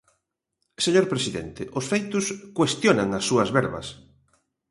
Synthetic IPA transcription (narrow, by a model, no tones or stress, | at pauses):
seɲoɾpɾesiðḛnt̪ɪʔʊsfejt̪ʊskwest̪jonaŋɐsːuɐzβɛɾβɐ̰s